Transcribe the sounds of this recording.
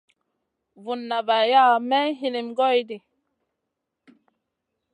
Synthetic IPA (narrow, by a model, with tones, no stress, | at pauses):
vu˨nːa˨ba˨ja˦mɛ˦ɦi˨ni˨mɡɔ˦jdi˨